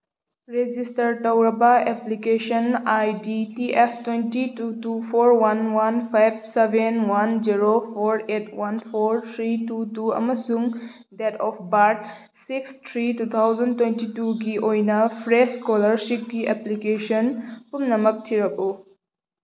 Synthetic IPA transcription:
ɾed͡ʒistəɾʈəwɾɐbaeplikeʃənajditiʔepʰtwentitutupʰoɾwanwanpʰajbsebenwanziɾopʰoɾetʰwanpʰoɾt̪ʰɾitutuɐ̰mɐsuŋ | dɛtʰɔpʰbaɾʈ̚ | sikst̪ʰɾitut̪ʰawzɐntwentituɡiʔojnɐpʰɾeskɔləɾʃip̚ɡiʔeplikeʃənpumnɐmək̚tʰiɾɐbo

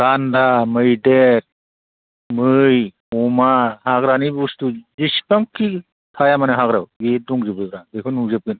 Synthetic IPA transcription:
ɡandamɯjdeɾ | mɯj | ɔmahaɡɾanibustuzispaŋkːi | t̪ʰajamanɯɦaɡɾawɡeduŋzɯbɯdɾadekʰɯnuzɯp̚ɡɯn

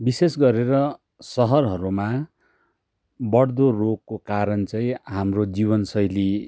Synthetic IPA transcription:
bisesɡʌɾeɾʌ | sʌɦʌrɦʌɾuma | bʌɽd̪orokːokaɾʌnt͡sʌj̃ĩɦamrod͡zibʌnsʌjli

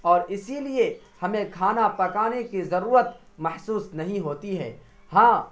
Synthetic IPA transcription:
ɔːɾɪsilie | hɐmẽkʰaːnapɐkaːnekizɐɾuːɾət̪̚ | mɐhsuːsnɐɦĩɦoːt̪iɦɛ̰ː | hãː

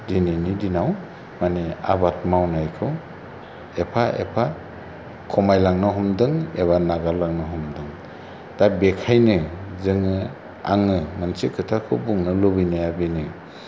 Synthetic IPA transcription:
dininidinaw | mania̰bat̚mawnajkʰɯw | epʰaʔḛpʰa | kʰɔmajlaŋnɯɦɔmdɯŋeβanaɡalaŋnɯɦɔmdɯŋ | d̥abekʰajnɯzɯŋɯ | a̰ŋɯmansikʰɯtʰakʰɯwbuŋnɯlɔbɯnajabinɯ

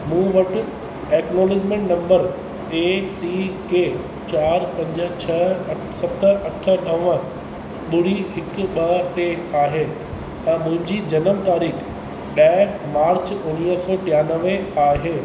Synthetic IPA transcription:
mũːʋɐʈʊ̆ | eːknoːlɪd͡ʑmẽɳʈnɐ̃mbəɾ | eːsiːkeː | t͡ɕaːɾpɐ̃ɲd͡ʑə̆t͡ɕʰɐ | sɐt̪əʔɐʈʰə̆ɗɐʋə̃ | ɓʊɽ̤iɦɪkʊ̆ɓɐʈeaːɦeː | t̪ɐ̃mʊ̃ɦɪ̃ɲd͡ʑiːd͡ʑɐnəmt̪aːɾiːx | ɗaːɪmaːɾt͡ɕʊniːəsɔːʈijaːnəʋeaːɦeː

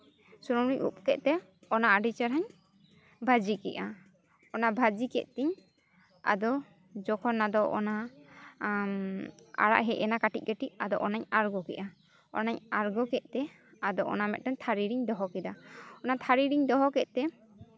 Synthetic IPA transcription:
suɾɔmɾiɲʔṵp̚kɛʔ̪̚t̪ɛ | ɔnaaɖit͡ʃaɾɦaɲ | bʱad͡ʒikɛʔa | ɔnabʱad͡ʒikɛʔ̪̚t̪ɛɲ | a̰d̪ɔ | d͡ʒɔkʰɔnːad̪ɔʔɔ̰na | a̰ɽa̰ʔɦɛʔɛnakaʈḭc̚ˀɡɛʈiʔad̪ɔ̰ʔɔnaɲaɾɡɔkɛ̰ʔa | ɔ̰naɲaɾɡɔkɛʔ̚t̪ɛ | ad̪ɔʔɔ̰namɛt̪̚tɛɲt̪ʰaɾiɾiɲd̪ɔɦɔkɛd̪aɔnat̪ʰaɾiɾiɲd̪ɔɦɔkɛʔ̪̚t̪ɛ

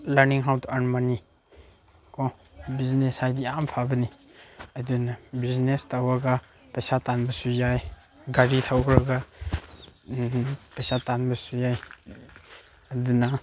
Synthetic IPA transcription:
laɾniŋɦawtanmani | kɔ | bizneshajdiampʰabɐni | ɐdunabiznestawaɡa | pɐjsatanbɐsujaj | ɡaɾitʰawkɾaɡa | pɐjsatanbɐsujaj | ɐduna

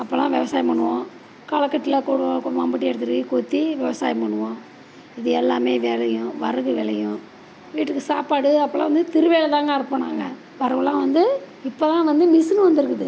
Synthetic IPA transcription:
ɐpːoːlãːʋɛʋɐsaːjimɐɳːɯʋõ | kaːlɐkːɐʈːɪlɐkuːɽɯʋãkʊɽɯʋaːmbɐʈ̬ːɪɛɽɯt̪ːɯɾɯikuːt̪ːiʋɛʋɐsaːjimɐɳɯʋõ | ɪðɯɛlːaːmeːʋɛːlɐjʊ̃ʋɐ̰ɾɯɣɯʋɛɭɐjʊ̃ | ʋiːʈːɯkːɯsaːpaːɽɯɐpːɐlã̰ːʋɐnd̪ɯt̪ɪɾɯʋeːlɐt̪ãːŋɡɐɐɾɯpːɐːɳaːŋɡɐ | ʋɐɾɐʋɐlːãːʋɐnd̪ɯ | ɪpːoːt̪ãːʋɐnd̪ɯmɪsɯnɯʋɐnd̪ɯɾɯkːɯðɯ

